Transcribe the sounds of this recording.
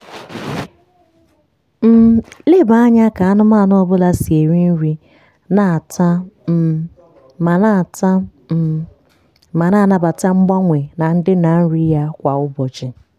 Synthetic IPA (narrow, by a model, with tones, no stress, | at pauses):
m̩˦le˦ba˦a˦ɲa˦ka˨a˦nʊ˦ma˦˨nʊ˦ɔ˦bʊ˦la˦si˨e˨ɾi˦n̩˦ɾi˦ | na˨ta˦˨ | ma˨na˦˨t | ma˨na˦˨na˦ba˨ta˦ŋ͡m̩˦ɡ͡ba˦ŋʷe˨na˨n̩˦dɪ˦na˨n̩˦ɾi˦ja˦kʷa˨ʊ˦bɔ˨t͡ʃɪ˨